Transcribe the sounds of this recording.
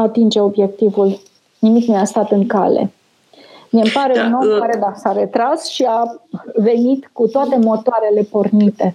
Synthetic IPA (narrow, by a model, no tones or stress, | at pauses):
at̪ind͡ʒe̞o̞bje̞k̚t̪ivul | nimikneast̪at̪ɨŋka̰le̞̰ | miempaɾe̞uno̞mkaɾe̞d̪asaɾe̞t̪ɾasʃiave̞nit̪kut̪oat̪e̞mo̞t̪oaɾe̞le̞po̞rnit̪e̞